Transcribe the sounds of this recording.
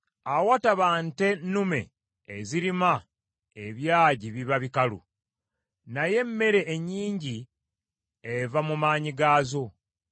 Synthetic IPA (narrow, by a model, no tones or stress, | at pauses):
awataβaːnte̞nume̞̰ː | ziɾima | eβjaːɟiβiβaβikalṵ | naje̞mːe̞ɾe̞ːɲːiːɲɟi | evamumaːɲiɡaːzo̞